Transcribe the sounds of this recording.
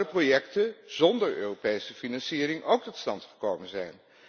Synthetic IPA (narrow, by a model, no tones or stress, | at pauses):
əprojɛktəzɔndəɹø̰ːropejsəfinɑnsiːrɪŋʔowk̚tɔtstɑntχəɹkowmənzɛjn